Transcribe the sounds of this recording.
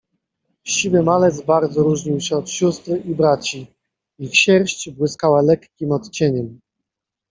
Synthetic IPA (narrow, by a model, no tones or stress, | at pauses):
ɕivɘmalɛt̪sbaɾd̪zɔɾuʐɲiwɕɛɔt̪ɕust̪ɾɘʔibɾat͡ɕi | ixɕɛɾɕt͡ɕbwɘskawalɛkːʲimɔt̪t͡ɕɛɲɛm